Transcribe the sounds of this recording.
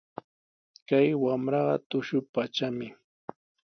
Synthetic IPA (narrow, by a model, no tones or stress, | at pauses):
kajwamɾɑɢɑ̰t̪ʊʃʊpat͡ʃamɪ